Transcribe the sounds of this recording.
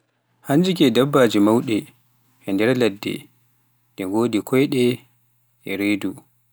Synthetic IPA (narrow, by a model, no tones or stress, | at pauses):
haɲd͡ʒikɛdabːaːd͡ʒimawɗɛ | ʔɛndɛɾladːɛ̰ | dɛɡoːdikʰɔjɗɛ | ʔɛɾedu